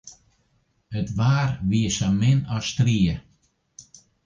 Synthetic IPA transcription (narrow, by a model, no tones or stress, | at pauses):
ətvaːɾviəʃamɪnɔst̪ɾiːə